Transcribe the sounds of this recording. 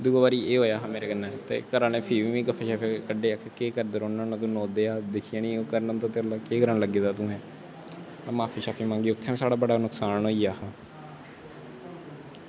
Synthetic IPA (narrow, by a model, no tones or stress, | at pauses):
d̪uːɡaːbaːɾiːʔeːɦoːjaːɦãːmeːɾeːɡənːãːt̪ḛːkəɾãːneːpʰiːʋiːʋĩːɡəfʰeːʃaːpʰekəɖeːəkʰkeːkəɾd̪əɾoːnãnõːt̪̬ũːnoːd̪eːaːd̪ɪkʰijãːnĩːoːkəɾnəmt̪aːt̪eɾlaːkeːɡəɾəɳləɡeːd̪aːt̪ũːɦɛ̃ː | amaːpʰiːʃaːpʰiːmãːŋɡiːʊt̪ʰːẽːsaːɽaːbəɽaːnʊksaːnɦoːiːaːhãː